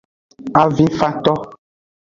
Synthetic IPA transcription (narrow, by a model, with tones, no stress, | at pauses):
a˨vĩ˦fa˦t̪ɔ˦